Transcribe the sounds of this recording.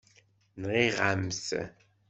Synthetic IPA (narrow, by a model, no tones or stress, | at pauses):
nʁeʁamsə̰